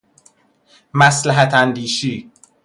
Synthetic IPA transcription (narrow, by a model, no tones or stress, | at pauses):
mæslæɦæt̪ʰænd̪iːʃiː